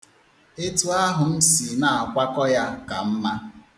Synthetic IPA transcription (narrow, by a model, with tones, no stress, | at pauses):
e˦tu˨˦a˦ɦʊ˨m̩˦si˨na˨kʷa˦kɔ˦ja˦ka˨m̩˦ma˦